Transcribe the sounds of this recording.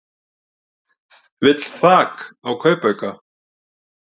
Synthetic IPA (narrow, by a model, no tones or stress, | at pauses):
vɪt̪l̥θaːkawkʰœːɥpœɥka